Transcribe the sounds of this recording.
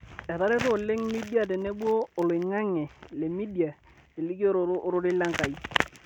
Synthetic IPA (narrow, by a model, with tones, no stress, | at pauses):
ɛ˨ta˦ɾɛ˦to˦˨le˦ŋmi˦di˦a˨t̬e˨ne˦ɓoː˦˨lʊ˨ɪ˨ŋa˦ŋɛ˨le˨mi˦di˨a˨ | e˨li˦ko˦ɾo˨ɾʔɾʊ˦ɾɪ˦la˦ŋka˨i˦